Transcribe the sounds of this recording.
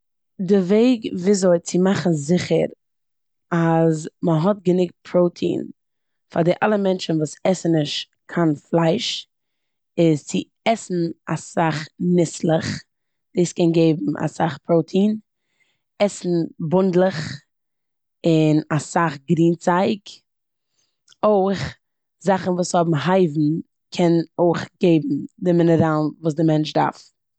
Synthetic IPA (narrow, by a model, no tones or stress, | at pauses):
dɪveɪɡviːzoɪt͡sɪmaχn̩zɪχəɾ | azməɦɔtɡənɪk̚t̚pʰɾoʊtʰḭːn | fa̰ɾdɪʔalˠəmɛnt͡ʃn̩vuːsɛsnnɪʃ | kʰanflˠaɪʃ | ɪzt͡sɪ | ɛsn̩a̰saχnɪslˠəχ | d̥eɪskɛnɡeɪbm̩ʔa̰saχpʰɾoʊtʰiːn | ɛsn̩bʊndlˠəχ | ɪnasaχɡɾiːnt͡saɪk | oɪχ | zaχn̩vuːshɔbm̩ɦaɪvm̩ | kʰɛnoɪχɡeɪbm̩dɪmɪnəɾalˠnvuːsdɪmɛnt͡ʃda̰ɾf